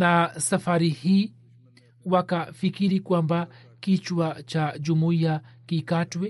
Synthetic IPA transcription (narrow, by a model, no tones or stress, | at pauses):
nasafaɾihiː | wakafikiɾikwamba | kit͡ʃwat͡ʃad͡ʒumuiakikatwɛ